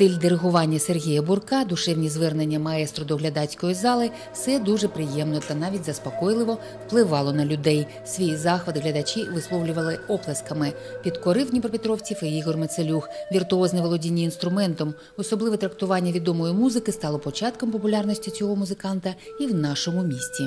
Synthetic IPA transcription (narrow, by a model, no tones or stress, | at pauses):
t̪ɪlʲd̪eɾeɦʊʋɑnʲːɐserɦʲijɐbʊrkɑd̪ʊʃɛwnʲizʋɛrnenʲːɐmɐɛst̪ɾɔd̪ɔɦlʲɐd̪ɑt͡sʲkɔjizɑlˠɪ | fsɛd̪uʒɛpɾɪjɛmnɔt̪ɐnɑʋʲitʲzɐspɔkɔjlˠɪʋɔ | wplˠɪʋɑlˠɔnɐlʲʊd̪ɛj | sʲʋʲijizɑxʋɐd̪ɪɦlʲɐd̪ɐt͡ʃʲiʋɪslˠɔwlʲʊʋɐlˠɪɔplˠɐskɐmɪ | pʲid̪kɔɾɪwd̪ʲnʲipɾɔpʲɪt̪ɾɔwt͡sʲifɪiɣɔrmet̪selʲuxʋʲirt̪ʊɔznɪmʋɔlˠɔdʲinʲːiːn̪st̪ɾʊmɛnt̪ɔm | ɔsɔblˠɪʋɛt̪ɾɐkt̪ʊʋɑnʲːɐʋʲid̪ɔmɔjimuzɪkɪst̪ɑlˠɔpɔt͡ʃɑt̪kɔmpɔpʊlʲɑrnɔsʲtʲit͡sʲɔɦɔmʊzɪkɑnt̪ɐiwnɑʃɔmʊmʲisʲtʲi